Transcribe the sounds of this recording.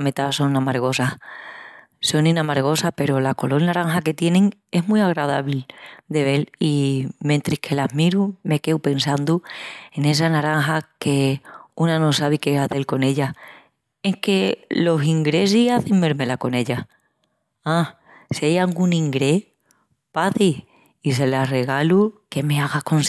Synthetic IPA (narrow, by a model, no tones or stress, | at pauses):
met̪aso̞ŋamaɾɣ̞o̞sa | so̞nĩnamaɾɣ̞o̞sape̞ɾo̞lako̞lo̞lnaɾaŋxake̞t̪je̞nẽ̞ŋ | e̞ɦmwiaɣ̞ɾað̞aβild̪e̞β̞e̞limẽnt̪ɾihkʰe̞laɦmiɾume̞ke̞wpe̞nsand̪ue̞ne̞s̬anaɾaŋɦake̞unano̞saβikeaðe̞lko̞ne̞ʎa | eŋke̞lo̞siŋɡɾe̞s̬iaθeŋbe̞ɾme̞lako̞ne̞ʎa | a | sejaŋɡunĩŋɡɾe̞ | paði | is̬e̞lare̞ɣ̞aluke̞me̞aɣako̞ns